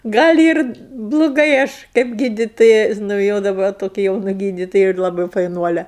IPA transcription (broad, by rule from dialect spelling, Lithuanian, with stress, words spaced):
ˈɡɐlʲ ɪr blˠʊˈɡɐɪ ˈɐʃ kɐɪp ˈɡʲiːdʲɪtoːjɛ nʊ ˈjoː dɐˈbɐ toːˈkʲɛ jɛʊˈnɐ ˈɡʲiːdʲɪtoːjɛ ɪr lˠɐˈbɐɪ fɐɪˈnuɔlʲɛ